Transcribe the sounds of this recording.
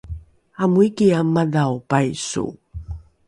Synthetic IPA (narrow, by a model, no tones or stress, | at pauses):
amuikiamadawpajsṵ